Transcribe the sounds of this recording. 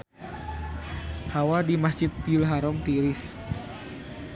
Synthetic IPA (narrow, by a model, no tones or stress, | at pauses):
hawadimasd͡ʒɪt̪̚pilɦaɾɔŋt̪iɾɪs